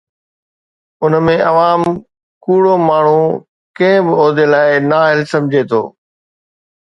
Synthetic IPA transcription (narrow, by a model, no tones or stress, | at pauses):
ʊnmẽʔɐʋaːm | kuːɽomaːɳ̤ũ | kɐ̃ɦɪ̃bɪoːd̪elaːɪnaːɦɪlsɐ̃md͡ʑʱet̪ʰo̰ː